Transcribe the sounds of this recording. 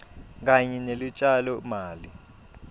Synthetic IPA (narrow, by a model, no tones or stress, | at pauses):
k̬aɲɛnelut͡ʃʼalɔmaːli